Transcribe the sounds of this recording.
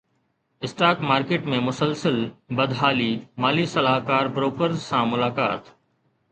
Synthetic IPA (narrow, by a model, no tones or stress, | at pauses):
ɪsʈaːkmaːɾkeːʈmẽmʊsəlsəlbɐd̪ɦaːlimaːlisɐlaːɦkaːɾbɾoːkəɾzːãmʊlaːka̰ːt̪